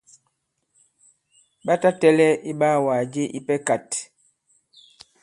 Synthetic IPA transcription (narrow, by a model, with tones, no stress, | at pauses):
ɓa˦ta˦tɛ˦lɛ˦ʔi˦ɓaː˦˨waː˨d͡ʒe˦ʔi˦pɛ˦ka˨t